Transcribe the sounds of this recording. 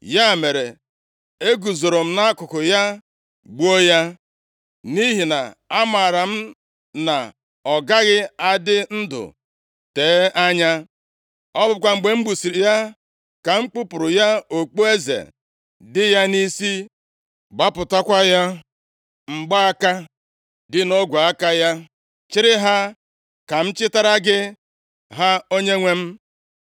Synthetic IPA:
ja˦˨me˨ɾe˨ | e˦ɡu˨zo˨ɾo˨m̩˦na˦a˦kʊ˨kʊ˨ja˦ | ɡ͡bu˦o˦ja˦ | ni˦ɦi˨na˨a˦ma˨ɾa˨m̩˦ | na̰˨ | ɔ˨ɡa˦ɣɪ˦a˦dɪ˦n̩˦dʊ̰˨ | teː˨˦ʔa˦ɲa˦ | ɔ˦bʊ˦kʷa˦ŋ͡m̩˨ɡ͡be˨ŋ͡m̩˦ɡ͡bu˨si˨ɾja˦ | ka˨ŋ͡m̩˦k͡pu˦pʊ˨ɾʊ˨ja˦o˨k͡po˦e˦zḛ˨ | dɪ˦ja˦ni˦si˦ | ɡ͡ba˦pʊ˨ta˦kʷa˦ja˦ | ŋ͡m̩˨ɡ͡ba˦a˦ka˦ | dɪ˦no˦ɡʷu˨a˦ka˦ja˦ | t͡ʃɪ˦ɾɪ˦ɦa˦ | ka˨m̩˦t͡ʃɪ˦ta˦ɾa˦ɡɪ˦ | ɦa˦o˦ɲe˦ŋʷe˦m̩˦

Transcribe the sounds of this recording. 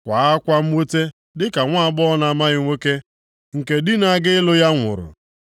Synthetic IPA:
kʷa˨a˦kʷa˦m̩˦we˦te˦ | dɪ˦ka˨ŋʷa˦a˦˨˦bɔ˦na˨ma˦ɣɪ˦ŋʷe˦ke˦ | ŋ̩˨ke˨dɪ˦na˨˦ɡɪ˦ɪ˦lʊ˦ja˦ŋʷʊ̰˨ɾʊ̰˨

